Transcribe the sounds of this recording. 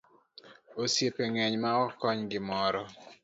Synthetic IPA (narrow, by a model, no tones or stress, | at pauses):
osjepeŋɛɲmaɔkɔɲɡɪmɔɾɔ